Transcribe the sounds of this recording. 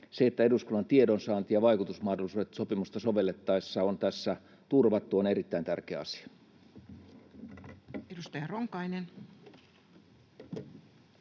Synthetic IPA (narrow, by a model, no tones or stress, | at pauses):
seet̪ːæeduskulːɑnt̪iedonsɑːnt̪jɑʋɑikut̪usmɑːhdolisuːet̪sopimust̪ɑso̞ʋe̞lːet̪ːɑesːɑont̪æsːæ | t̪urʋɑt̪ːuoneɾit̪ːæint̪ærkeæɑsi̥ɑ̥ | edust̪ɑjɑroŋkɑinen